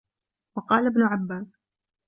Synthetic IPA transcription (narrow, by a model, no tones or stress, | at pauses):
wɑqɑːlabnʊʕabːaːs